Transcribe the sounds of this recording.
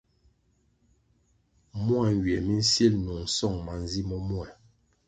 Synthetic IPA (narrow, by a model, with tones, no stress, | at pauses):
mu˦a˦˨ŋ˨ɡɥɛ˨mi˦n̩˦sje˦lnu˨ŋ̩˨sɔ˦˨ŋma˨n˦zi˦mɔ˦mwɛ˨